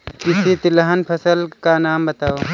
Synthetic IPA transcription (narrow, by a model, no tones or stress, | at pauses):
kɪsit̪ɪləɦənpʰəsəlkanaːmbɐt̪aːo